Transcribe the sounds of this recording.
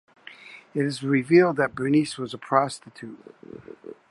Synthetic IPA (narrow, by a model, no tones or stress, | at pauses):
ɨɾɨzɹɪvilˠd̪̚ðɨt̚b̥ɹɨniswʌzəpʰɹ̥ɑstɨtʰʉt̚